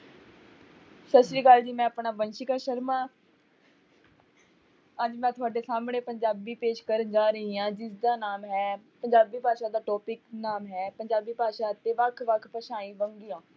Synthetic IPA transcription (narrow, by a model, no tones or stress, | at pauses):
səsɾiːkəld͡ʒiːmɛ̃ːəpɳaːbənʃɪkaːʃəɾmãː | əd͡ʒmɛ̃ːt̪ʰʊaːɖeːsaːmɳeːpəɲd͡ʒaːbiːpeːʃkəɾəd͡ʒaːɾəɦiːãːd͡ʒɪsd̪aːnaːmɦɛːpəɲd͡ʒaːbiːpaːʃaːd̪aːʈɔːpɪknaːmɦɛːpəɲd͡ʒaːbiːpaːʃaːət̪ːeːʋəkʰʋəkʰpəʃaːĩːʋəŋɡijãː